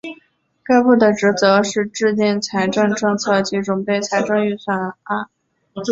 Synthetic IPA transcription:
ka˥ɪpu˥˩d̪ə˩ʈ͡ʂɻ̩˧˥t͡sɤ˧˥ʂɻ̩˥˧ʈ͡ʂɻ̩˥˧nɛ˥˩nt͡sʰa˧˥ɪʈ͡ʂɤ˥˧ŋʈ͡ʂɤ˥˧ŋt͡sʰɤ˥˩t͡ɕi˧˥ʈ͡ʂʊ˨˩ŋpe˥˩ɪt͡sʰa˧˥ɪʈ͡ʂɤ˥˧ŋy˥˩swa˨˩na˥˩

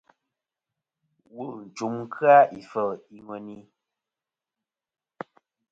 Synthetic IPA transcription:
wu˦˨n̩˨t͡ʃu˨˦mŋ˦kʰɰa˦ʔi˨fə˦˨i˦ŋwɛ˨ni˦

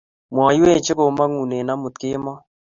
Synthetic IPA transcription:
m˨ɔ˨˦jwe˦˨t͡ʃɪ˦ko˨ma˦ŋu˨ne˨na˦mu˨t̪kɪ˦mɔ˦

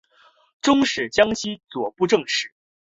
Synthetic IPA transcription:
ʈ͡ʂʊ˥ŋʂɻ̩˨˩t͡ɕjɑ˥ŋɕi˥t͡swɔ˨˩pu˥˧ʈ͡ʂɤ˥˧ŋʂɻ̩˨˩˦

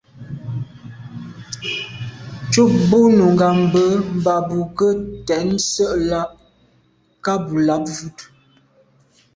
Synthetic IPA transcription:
t͡ʃu˦˨k̚bo˦nu˨ŋ˨ɡa˨mbə˦m̩˨ba˨bu˨kə˦tɛ˨˦n˦sə˦ʔla˦ʔ̚ | ka˦bu˨la˨˦p̚vu˦t

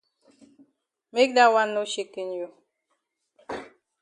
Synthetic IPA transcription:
me˦k̚da˦wa˦no˦ʃe˦ke˨n˨jo˨

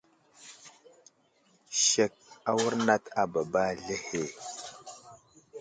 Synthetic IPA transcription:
ʃe˨k̚a˦wu˦ɾna˦ta˨ba˨ba˦ɮe˦he˨

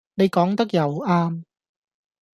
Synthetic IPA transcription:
ne˨˧jkɔː˨˥ŋt̪ɐ˥k̚jɐ˨waː˥m

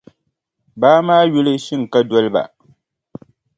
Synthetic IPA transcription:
baː˦maː˦jʊ˦lɨ˦ʃɪ˦ŋ̩˨ka˦dɔ˦lɨ˦ba̰˨

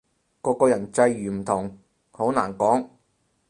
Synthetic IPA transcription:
kɔː˧kɔː˧jɐ˨˩nt͡sɐ˧jːyː˨˩m̩˨˩t̪ʰʊ˨˩ŋ | ho˨˥wna̰ː˨˩nkɔː˨˥ŋ

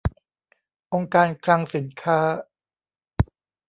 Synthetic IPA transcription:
ʔo˧ŋkaː˧nkʰla˧ŋsi˨˩˦nkʰaː˦˥˩

